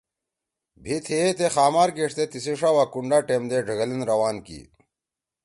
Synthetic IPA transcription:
bʱit̪ʰet̪exaːmaːɾɡeʂt̪et̪isiʂawakuɳɖaːʈeːmd̪eɖʱɐɡɐlinɾɐwaːnkḭ

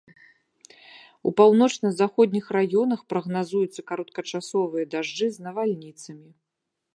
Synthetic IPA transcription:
ṵpawnɔt͡ʂnɐzaxɔd̪ʲnʲixrajɔnɐxpɾɐɣnazujut̪sːɐkaɾɐt̪kɐt͡ʂasɔvɨjɐd̪aʐd͡ʐɨznɐvalʲnʲit̪sɐmʲi

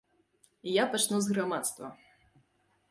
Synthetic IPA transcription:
ijapat͡ʂnuzɣɾamat̪st̪vɐ̰

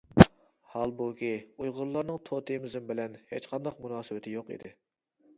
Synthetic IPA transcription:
hɑlˠbukʲiujʁʊɾlˠɑɾnɨŋt̪ʰot̪ʰɨjmɪzɪmbɪlɛnhet͡ʃqʰɑnd̪ɑqmunɑːsɨwɪt̪ʰɪjoqḭd̪ɪ

